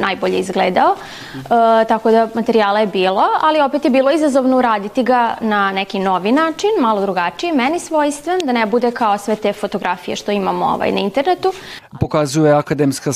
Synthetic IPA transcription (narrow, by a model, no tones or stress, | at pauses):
najboʎeizɡleːd̪ao | t̪ako̞d̪amat̪eɾiaːlajebiːlˠo̞alio̞pet̪jebiːlˠo̞izazo̞ʋnouɾaːd̪it̪iɡananɛkino̞ʋinaːt͡ʃinmalo̞d̪ɾuɡat͡ʃijemɛnisʋojst̪ʋend̪anebud̪ekao̞sʋe̞t̪efot̪o̞ɡɾafije̞̰ʃt̪o̞imamoo̰ʋa̰jna̰int̪e̞ɾnet̪u | po̞kazujeakad̪emska